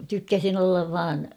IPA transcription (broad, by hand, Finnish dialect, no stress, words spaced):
tykːæsin olːɑʋ ʋɑːn